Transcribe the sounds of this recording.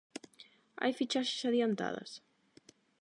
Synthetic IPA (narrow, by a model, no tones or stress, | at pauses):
a̰jfit͡ʃaʃe̥saðiant̪a̰ðɐ̰s